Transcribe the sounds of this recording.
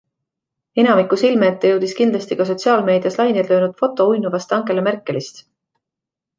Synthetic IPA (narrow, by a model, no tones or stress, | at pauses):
e̞nɑmikˑusilmeːt̪ːeje̞wd̪̥iskind̪lɑst̪ikɑs̬o̞t̪ʲsiɑːlme̞ːd̪̥jɑslɑjnjd̪lø̞ːnud̪̥fo̞t̪ːˑo̞ujnuvɑst̪ɑŋke̞lemerkːˑe̞list̪